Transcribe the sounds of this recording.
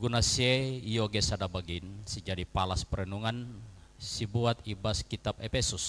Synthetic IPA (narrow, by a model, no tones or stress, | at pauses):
ɡunasieijoɡesadabaɡinsid͡ʒadipalaspəɾənuŋansibuat̪ibaskit̪apɛpɛsus